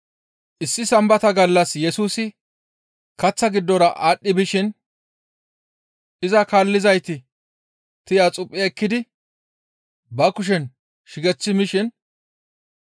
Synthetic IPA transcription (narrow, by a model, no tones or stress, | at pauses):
ʔɪsːɪsɐmbɐt̪ɐɡɐlːɐsjɛsuːsɪ | kɐt͡sːɐɡɪd̪ːɔɾɐʔaːɗːɪbɪʃɪn | ʔɪzɐkaːlːɪzɐjt̪ɪ | t̪ɪjat͡sʼʊpʼːɪɛkːɪd̪ɪ | bɐkʊʃ̬ɛn | ʃɪɡɛt͡sːɪmɪʃɪn